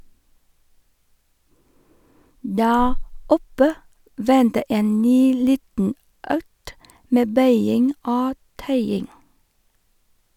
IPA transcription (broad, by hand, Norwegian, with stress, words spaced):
ˈdæːɾ ˈɔpə ˈʋɛntə ˈeːn ˈnyː ˈliːtn̩ ˈœkt ˈmeː ˈbœʏɪŋ ˈoː ˈtœʏɪŋ